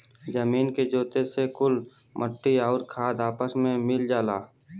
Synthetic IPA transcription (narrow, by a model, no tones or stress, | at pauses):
d͡ʒəmiːnked͡ʒoːt̪esekʊl | mʔəʈːiɔːɾkʰaːd̪aːpəsmẽmɪld͡ʒaːlaː